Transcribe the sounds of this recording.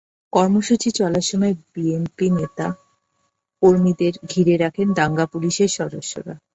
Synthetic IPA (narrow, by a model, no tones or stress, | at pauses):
kɔɾmoʃut͡ɕit͡ɕɔlaɾʃɔmɔebienpinet̪a | koɾmid̪eɾɡʱiɾeɾakʰend̪aŋɡapuliʃeɾʃɔd̪oʃːo̰ɾa̰